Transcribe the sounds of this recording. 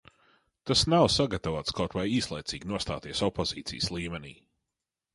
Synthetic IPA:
t̪asnawsaɡat̪avoːt̪skawt̪vajiːslˠɛjt̪siːɡʲnuɔst̪a̰ːt̪iɛsɔpɔzḭːt̪sḭjəslˠiːmɛnḭː

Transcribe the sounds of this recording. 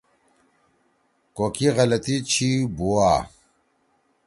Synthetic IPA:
kokiɣɐlɐt̪it͡ɕʰibuwaː

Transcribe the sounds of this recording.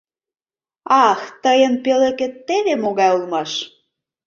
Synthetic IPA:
ɑxt̪əjənpeleket̪ːeβemoɣɑulmɑʃ

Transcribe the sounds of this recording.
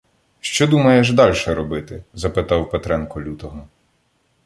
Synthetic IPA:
ʃt͡ʃɔd̪umɐjɛʒd̪ɑlʲʃɛɾɔbɪt̪ɪzɐpɪt̪ɑwpet̪ɾɛnkɔlʲut̪ɔɦɔ

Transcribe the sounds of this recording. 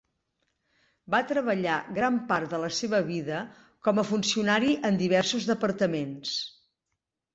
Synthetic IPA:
bat̪ɾəβəʎaɣɾampart̪ðələseβəβiðə | kɔməfunsiunaɾiʔənd̪iβ̞ɛrsuzðəpəɾt̪əmens

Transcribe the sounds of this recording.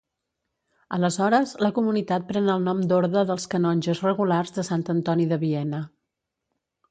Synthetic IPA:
ələzɔɾəzləkumunit̪at̪̚pɾɛnəlˠnɔmd̪oɾðəðəlˠskənɔnʲʒəzrəɣularzðəsant̪ənt̪ɔniðəβiɛnə

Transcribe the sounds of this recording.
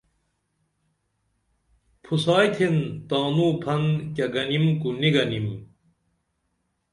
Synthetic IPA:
pʰusaːjt̪ʰent̪aːnuːpʰɐnkʲɐɡɐnimkuniɡɐnim

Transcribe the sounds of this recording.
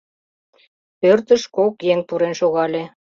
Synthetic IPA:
pørt̪əʃkokjeŋpuɾenʃoɣɑlʲe

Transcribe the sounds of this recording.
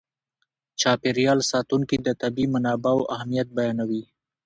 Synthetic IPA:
t͡ʃɑpeɾjɑlsɑt̪uŋkid̪ət̪abimʊnɑbawʔahmijat̪̚bajɑnawi

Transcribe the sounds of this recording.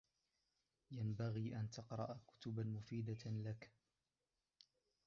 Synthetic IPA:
jambaɣiːʔant̪ɑqɾˤɑ̰ʔakʊ̥t̪ʊbanmʊfiːd̪alak

